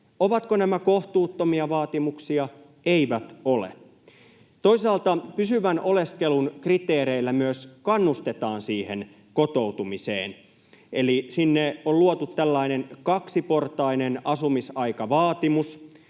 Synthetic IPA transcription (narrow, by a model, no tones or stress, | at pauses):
oʋɑt̪konæmæko̞ht̪uːt̪ːomiɑʋɑːt̪imuksiɑ | eiʋæt̪olḛ | t̪o̞isɑːlt̪ɑpysyʋæno̞le̞skelunkrit̪eːɾeilːæmyøskɑnːust̪et̪ɑːnsiːhḛn | kot̪ouwt̪umisḛːn | elisinːeolluot̪ut̪ːælːɑinenkɑksipo̞rt̪ɑinenɑsumisɑikɑʋɑːt̪imus